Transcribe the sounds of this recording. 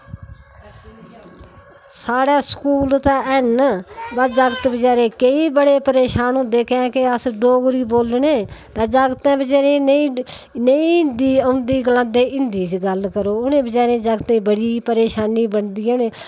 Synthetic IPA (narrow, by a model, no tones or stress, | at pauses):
saːɽaːskuːlt̪aːʔɛnbad͡ʒaːɡət̪bəd͡ʒaːɾeːkəiːbəɽeːpəɾeːʃaːnõːd̪eːkʰãːkeəsɖoːɡɾiːboːlneːt̪aːd͡ʒaːɡt̪ɛ̃ːbəd͡ʒaːɾeːnĩːnəĩːɪnd̪iːəʊ̃nd̪iːɡəlãːnd̪eːʔɪnd̪iːt͡ʃɡəlkəɾoːʊnẽːbəd͡ʒaːɾẽːd͡ʒaːɡt̪ẽːbəɽiːpəɾeːʃaːniːbəɳd̪iːʊːnẽː